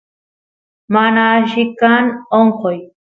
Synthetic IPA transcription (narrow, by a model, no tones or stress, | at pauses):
manaʃikanoɴqoj